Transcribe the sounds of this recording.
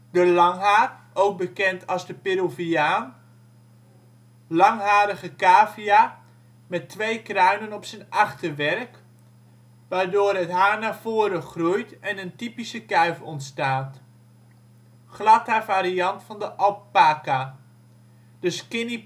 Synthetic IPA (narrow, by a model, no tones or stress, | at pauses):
dəlɑŋɦaːr | owɡ̚bəkɛntʰɑlˠzdəpɪɾoviaːn | lɑŋɦaːɾəχəkaːvia | mɛtʋejkrœɥnənɔpsənɑχtəʋɛɹk | ʋaːɹdoːrɦətɦaːɹnaːv̥ʊːɾəχrujtɛnəntipisəkɛɥfɔntstaːt | χlɑtaːvaːɾijɑntfɑndəʔɑlˠpaːka | d̥əskɪni